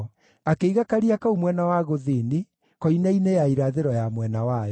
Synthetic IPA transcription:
akeiɣakaɾiakaumwɛnawaɣoðini | kɔinainejaiɾaðeɾɔjamwɛnawa

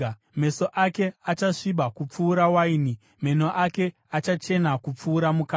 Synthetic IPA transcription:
me̞so̞ʔake̞at͡ʃaʂiɓakup͡fuːɾawaini | me̞noʔake̞ | at͡ʃat͡ʃe̞nakup͡fuːɾamuka

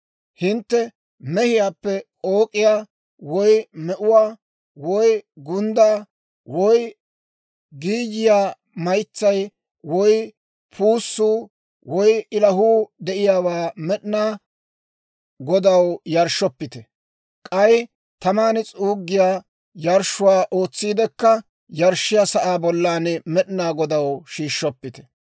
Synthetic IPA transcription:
hɪnt̪ːɛ | mɛhɪjaːpːɛoːkʼːɪjaː | wɔjmɛʔʊwaː | wɔjɡʊnd̪aː | wɔj | ɡiːd͡ʒɪjaː | mɐjt͡sːɐj | wɔj | pʰuːsːuː | wɔjɪlɐɦuːd̪ɛʔɪjaːwaːmɛɗnaː | ɡɔd̪ɐwjɐɾʃɔpːɪt̪ɛ | kʼɐj | t̪ɐmaːnɛt͡sʼuːɡːɪjaː | jɐɾʃːʊwaːʔo̞ːt͡sːiːd̪ɛkːɐ | jɐɾʃːɪjasɐʔaːbɔlːaːnɛmɛɗnaːɡɔd̪ɐwʃiːʃːɔpːɪt̪ɛ̥

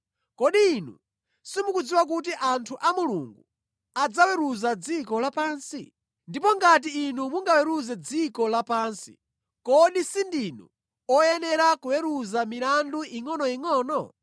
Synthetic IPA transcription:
kɔɗiːnṵ | simukud͡ziwak̬ut̬iʔantʰuʔamulṵŋɡu | ad͡zawɛɾuzad͡zikɔlapaːnsi | ndipɔŋɡat̬iːnumuŋɡawɛɾuzɛd͡zikɔlapaːnsḭ | kɔɗisindinṵ | ɔjɛnɛɾakuwɛɾuzamiɾanduiŋɔnɔiŋɔːnɔ

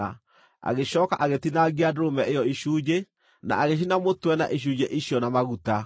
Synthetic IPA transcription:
a | a̰ɣeʃɔːkaʔaɣetinaɣiadɾomɛʔejɔiʃuːd͡ʒe | na̰ʔaɣeʃ̬inamotwɛna̰ʔiʃ̬uːd͡ʑeʔiɕjɔnamaɣuta

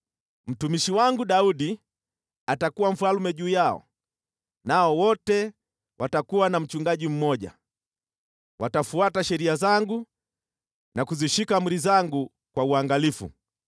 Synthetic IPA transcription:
m̩tumiʃiwaŋɡuɗauɗi | atakuwam̩falumɛʄuːjaɔ̰ | naɔwɔtɛ | watakuwanam̩t͡ʃuŋɡaʄim̩mɔʄa̰ | watafuataʃɛɾiazaŋɡu | nakuziʃikam̩ɾizaŋɡu | kwauaŋɡalifṵ

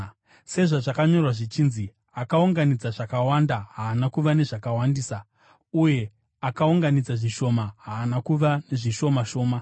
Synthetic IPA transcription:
se̞ʐaʐakaɲo̞rwaʐit͡ʃinzi | akauŋɡanid͡zaʐakawandaɦaːnakuʋane̞ʐakawandiːsa | uje̞ | akauŋɡanid͡zaʐiʃo̞maɦaːnakuʋane̞ʐiʃo̞maʃo̞ːma

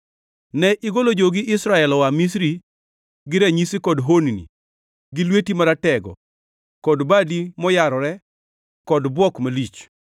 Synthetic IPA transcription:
nɛʔiɡolod͡ʒoɡɪɪsɾaɛlɔwamis̬ɾi | ɡɪɾɛɲisikɔdɦoninḭ | ɡɪlwetimaɾatɛɡɔ̰ | kɔdbadimɔjaɾɔɾɛ | kɔdbwɔkmalit͡ʃ

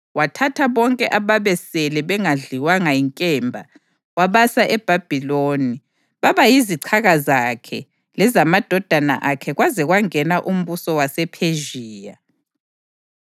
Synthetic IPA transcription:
watʰatʰaβɔŋkʼɛʔaβaβɛsɛlɛβɛŋaɮiwaŋaiŋkʼɛmbʱa | waβasaʔɛb̥ʱab̥ʱiloːni | βaβajiziǀʰaɣazakʰɛ | lɛzamad̥ʱɔd̥ʱana̰ʔakʰɛɣwazɛɣwaŋɛnaʔum̩βusɔwasɛpʰeʒiːja

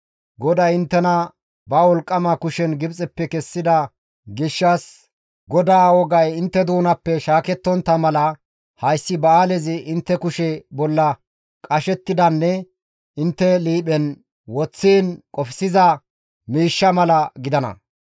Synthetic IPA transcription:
ɡɔd̪ɐjɪnt̪ːɛnɐ | bɐwɔlkʼːɐmɐkʊʃɛnɡɪbt͡sʼɛpːɛkɛsːɪd̪ɐ | ɡɪʃːɐs | ɡɔd̪aːwɔɡɐjɪnt̪ːɛd̪uːnɐpːɛʃaːkɛt̪ːɔnt̪ːɐmɐlɐ | hɐjsːɪbɐaːlɛzɪɪnt̪ːɛkʊʃɛbɔlːɐ | kʼɐʃɛt̪ːɪd̪ɐnːɛ | ɪnt̪ːɛliːɓɛn | wɔt͡sːiːnkʼɔfɪsɪzɐ | miːʃːɐmɐlɐɡɪd̪ɐnɐ̰

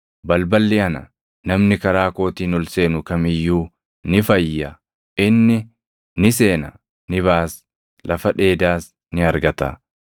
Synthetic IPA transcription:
bɐlbɐlːɪɐnɐ̰ | nɐmnɪkɐɾaːko̞ːt̪iːnʊlse̞ːnʊkɐmɪjːuː | nɪfɐjːɐ | ɪnːɪ | nɪse̞ːnɐ | nɪβaːs | lʔɐfɐᶑe̞ːd̪aːs | nɪɐɾɡɐt̪ɐ̰

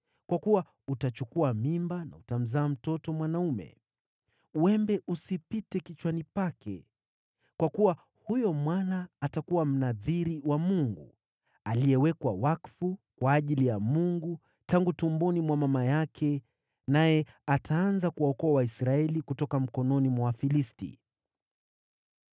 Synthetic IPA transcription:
kwakuwa | utat͡ʃukuamimbana̰utam̩zaːm̩tɔtɔmwanaumɛ̰ | wɛmbɛʔusipitɛkit͡ʃwanipakʰɛ̰ | kwakuwa | hujɔmwanaːtakuwam̩naðiɾiwamuŋɡu | aliɛwɛkwawakfukwaːʄilijamuŋɡu | taŋɡutumbɔnimwamamajakʰɛ | najɛ | atʰaanzakuwaɔkɔawaisɾaɛlikutɔkam̩kɔnɔnimwawafilistḭ

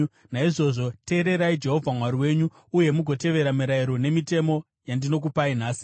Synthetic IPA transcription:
naiʐo̞ʐo̞te̞ːɾe̞ɾaid͡ʒe̞ɦo̞vʱamwaɾiwe̞ːɲu | uje̞muɡʱo̞te̞ʋe̞ɾamiɾaiɾo̞ne̞mite̞mo̞ | jandino̞k̬upainaːsi̥

